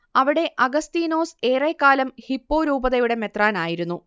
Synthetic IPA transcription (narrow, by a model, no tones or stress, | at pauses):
ɐʋiɽe̞ʔɐɡɐst̪iːno̞ːse̞ːrekːaːlɐmhipːo̞ːɾuːbɐðɐjuɽe̞me̞t̪raːnaːjiɾunːu